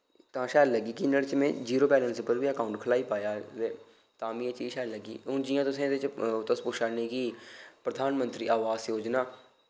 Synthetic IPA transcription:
t̪ãːʃɛːlləɡiːkɪnəɽt͡ʃmɛ̃ːd͡ʒiːɾoːpɛːlənsɪpəɾʋiːəkaːũɳʈkʰəlaːiːpaːjaːeː | t̪ãːmĩẽt͡ʃiːʃɛːlləɡḭːʊnd͡ʒɪjãːt̪ʊsẽːd̪ɪt͡ʃt̪əspʊʃaːneːkipɾəd̪ʱaːnmə̃nt̪ɾiːʔaːʋaːsjoːd͡ʒnaː

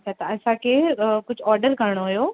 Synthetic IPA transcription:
ɐt͡ɕʰaːt̪ɐɐsãkʰeːkʊd͡ʑʱɔːɾɖəɾkɐɾɪɽ̃oɦʊjoː

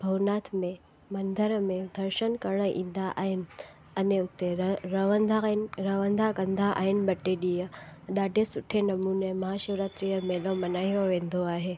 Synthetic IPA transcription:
bʱɐʋnaːt̪ʰmẽ | mɐnd̪ʱəɾəmẽd̪ʱɐɾʃənkəɾɳ̃əʔḭ̃ːnd̪aʔa̰ːɦɪnɪ | ɐneʊt̪ːeɾəʋənd̪ʱanɾəʋə̃nd̪ʱakə̃nd̪ʱaʔa̰ːɦɪnɪ̆bɐʈːeɗijəɗaːɖʱesʊʈʰenɐmuːnemɐɦaːʃəʋɾat̪ɾijəmeːlomɐnaːɦiɾoʋẽːnd̪oaːɦeː

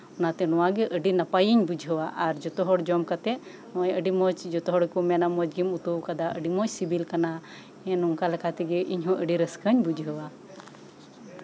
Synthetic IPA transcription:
ɔnat̪ɛnɔwaɡɛʔəɖinapajiɲbud͡ʒɦəwaʔaɾd͡ʒɔt̪ɔɦɔɽd͡ʒɔmkat̪ɛ | ɔ̃jəɖimɔt͡ʃd͡ʒɔt̪ɔɦɔɽkumɛnamɔd͡ʒɡimut̪uwkad̪aʔəɖimɔt͡ʃsibilkana | ɛ̃nɔŋkalɛkʰat̪ɛɡɛʔiɲɦɔ̃ʔəɖiɾəskəɲbud͡ʒʱɦəwa

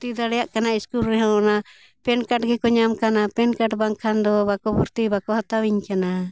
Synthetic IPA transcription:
t̪id̪aɽɛjaʔkanaiskulɾɛɦɔ̃na | pɛnkaʈɡɛkɔɲamkanapɛnkaʈbaŋkʰand̪ɔbakɔbuɾt̪ibakɔhat̪awiɲkana

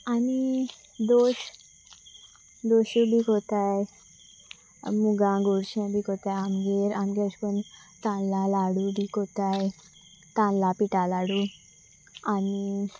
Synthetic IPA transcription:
ani | d̪oɕ | d̪oɕibikot̪aj | muɡãɡuɽɕẽbiːkot̪ajamɡeɾamɡeɕpən | t̪ãnlalaɽubikot̪aj | t̪ãnlapiʈalaɽu | ani

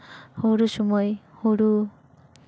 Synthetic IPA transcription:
hoɾusɔmɔjhoɾu

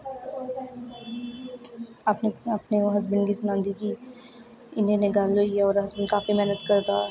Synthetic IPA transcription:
aːpneɐpneoɦɐzbɪnɡisɐnãːnd̪ikiː | ɪnẽneɡaːloiɔːɾɦɐzbɪnkaːfimɛɦnət̪kɐɾd̪aː

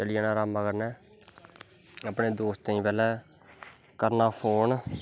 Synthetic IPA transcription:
əlijaːnaːɾaːmːakəɾnɛː | əpɳeːd̪oːst̪t̪ãĩːpɛːlɛː | kəɾnaːpʰoːn

